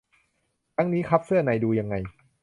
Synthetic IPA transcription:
t̪ʰa˦˥ŋniː˦˥kʰa˦˥p̚sɯ˥˩ɐna˧jduː˧ja˧ŋːa˧j

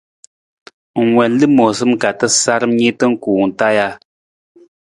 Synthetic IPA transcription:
ŋ˨ŋwɛ˨nlɨ˦mɔ˨sɨ˦m˨ka˨tə˦sa˦ɾm˦ɲe˦tə˦ŋ̩˦kuː˨ŋ̩˨ta˦ja˦

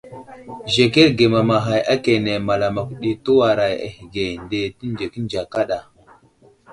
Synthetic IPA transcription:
ʒe˨ke˦ɾɡe˨ma˨ma˨ɦa˨jʔa˦ke˨ne˨ma˨la˨ma˨kʷu˨ɗi˨tu˦wa˨ɾa˨ja̰˨hi˨ɡe˨nde˨ti˦n˦d͡ʒe˨ki˦n˦d͡ʒa˨ka˦ɗa˨

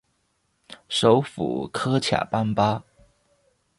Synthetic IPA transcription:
ʂo˧˥ʊfṵ˨˩˦kʰɤ˥t͡ɕʰja̰˨˩pa˥npa˥

